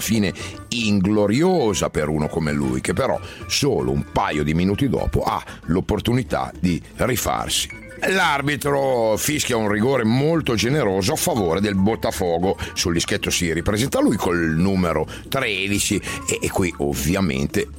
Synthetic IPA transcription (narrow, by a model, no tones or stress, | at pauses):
fiːne | iŋɡloɾjoːzapeɾuːnokomelṵjkepːeɾɔ̰soːlo̰ṵmpajod̪iminuːt̪id̪ɔ̰ːpo̰ʔa̰ | lopːort̪unit̪a̰d̪i | rifa̰rsi̥ | larbit̪ɾofiskjaunriɡoːɾemolt̪od͡ʒeneɾoːzoafːavoːɾed̪elbot̪ːafɔːɡosuld̪isket̪ːosiɾipɾezɛnt̪alujkʰolnuːmeɾo | t̪ɾɛd̪it͡ʃiːkːwiʔo̰vjamḛnt̪e